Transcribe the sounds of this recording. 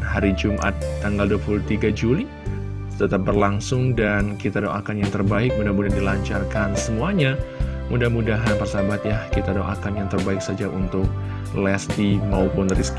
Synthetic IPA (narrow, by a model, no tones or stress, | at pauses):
haɾid͡ʒumʔa̰t̪ːaŋɡalduapuluht̪iɡad͡ʒuli | t̪ət̪ap̚bərlaŋsʊŋdankit̪adoŋa̰kanjaŋt̪ərbaɪk̚mudahmudadilaɲt͡ʃarkansəmuaɲamudahmudaɦanpərsabat̪̚jahkit̪adoŋa̰kanjaŋt̪ərbaɪk̚sad͡ʒaʔunt̪ʊk̚ | lɛst̪imaupʊnɾisk